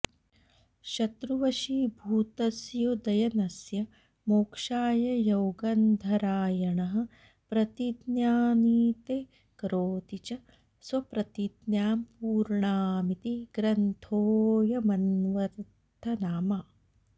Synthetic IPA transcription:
ʃɐt̪ɾuʋɐʃibʱuːt̪ɐsjoːd̪ɐjɐnɐsjɐ | moːkʂaːjɐjɐwɡɐnd̪ʱɐɾaːjɐɳɐɦɐ̆ | pɾɐt̪id̪njaːniːt̪eː | kɾoːt̪it͡ʃɐ | sʋɐpɾɐt̪id̪njaːmpuːɾɳaːmit̪iɡ̥ɾɐnt̪ʰoːjɐmɐnʋɐɾ | t̪ʰɐnaːma

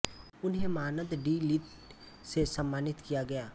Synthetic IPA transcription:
ʊnɦẽmaːnəd̪ɖiːliʈ | sesəmːaːnɪt̪kijaɡɐjaː

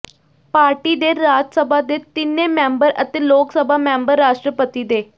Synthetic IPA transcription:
paːɾʈiːd̪eːɾaːd͡ʒsəbʱaːd̪eːt̪ɪnːẽːmɛ̃ːmbəɾət̪eːloːksəbʱaːmɛ̃ːmbəɾːaːʃʈɾəpət̪iːd̪eː

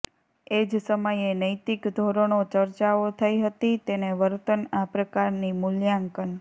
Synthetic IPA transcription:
ed͡ʒsəməjenəjt̪ikd̪ʱoɾəɽ̃ot͡ʃəɾt͡ʃaot̪ʰəiɦət̪it̪eneʋəɾt̪ənapɾəkaɾnimʊljaŋkən

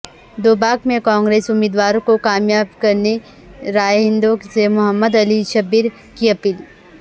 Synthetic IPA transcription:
d̪oːbaːkmẽkɔ̃ːŋɡɾeːsʊmːiːd̪ʋaːɾõkokaːmjaːbkɐɾne | ɾaːjɦɪ̃nd̪õksemʊɦəmːəd̪ɐliʃɐbiɾ | kiɐpiːl

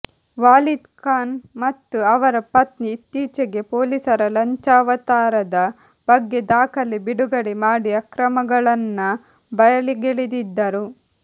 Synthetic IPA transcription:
ʋaːlid̪kaːnmɐt̪ːuɐʋɐɾɐpɐt̪niːt̪ːiːt͡ʃɐɡe̞poːlisɐɾɐlɐɲt͡ʃaːʋɐt̪aːɾɐd̪ɐ | b̥ɐɡːe̞d̪aːkɐlibiɽuɡɐɽemaːɽiɐkɾɐmɐɡɐɭɐnːɐ | bɐjɐliɡeɭid̪id̪ːɐɾu

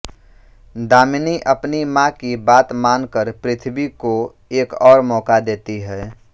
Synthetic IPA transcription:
d̪aːmɪniʔəpnimãkibaːt̪maːnkəɾpɾɪt̪ʰbiko | eːkɔːɾmɔːkad̪eːt̪iɦɛː

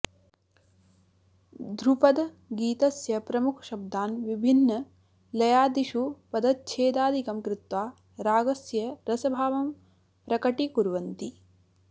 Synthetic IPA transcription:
d̪ɾupɐd̪ | ɡiːt̪ɐsjɐpɾɐmukʰɐ̥ʃɐb̚d̪aːnʋibʱinːɐ | lɐjaːd̪iʃupɐd̪ɐt̪̚t͡ʃʰeːd̪aːd̪ʱikɐmkɾɪt̪ʋaː | ɾaːɡɐsjɐɾɐsɐbʱaːʋɐm | pɾɐkɐʈikuɾʋɐnt̪i

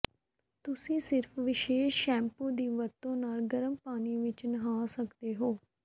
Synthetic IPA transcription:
t̪ʊsĩːsɪɾfʰʋɪʃeːʃːɛ̃ːmpũːd̪iːʋəɾt̪õːnaːlɡəɾəmpaːniːʋɪt͡ʃnəɦaːsəkd̪eːɦoː

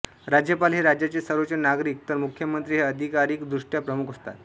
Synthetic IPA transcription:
ɾad͡ʑjəpalɦeɾad͡ʑjat͡sesəɾʋət͡senaɡɾiːk̚t̪əɾmukʰjəmənt̪ɾiːɦeəd̪ʱikaɾiːkd̪ɾuʂʈjapɾəmukɦost̪a̰t̪

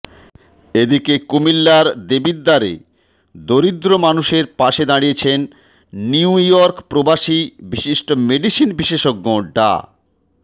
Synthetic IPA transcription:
ed̪ikekumilːaɾd̪ebiɾd̪aɾḛ | d̪oɾid̪ːɾomanuʃeɾpaʃed̪aɽijet͡ɕʰenː | iujɔɾkpɾobaʃibiʃiʃʈomeɖiʃinbiʃeʃoɡːoɖa̰

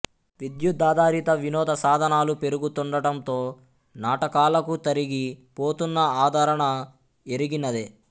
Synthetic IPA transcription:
ʋid̪jud̪ːaːd̪aːɾit̪ɐʋinɔːd̪ɐsaːd̪ʱɐnaːlupe̞ɾuɡut̪uɳɖɐʈɐnt̪o̞ː | naːʈɐkaːlɐkut̪ɐɾiɡipoːt̪unːɐaːd̪ʱɐɾɐɳɐ | eɾiɡinɐd̪e

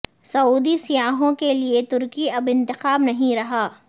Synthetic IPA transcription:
sɐuːd̪isijaːɦõkeliet̪ʊɾkiɐbɪ̃nt̪ɪxaːbnɐɦĩɾɐɦaː

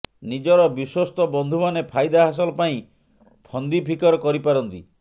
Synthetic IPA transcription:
nid͡ʒɔɾɔbiswɔst̪ɔbɔnd̪ʱumanepʰajd̪aɦas̬ɔlɔpaĩ | pʰɔnd̪ipʰikɔɾɔkɔɾipaɾɔnt̪i

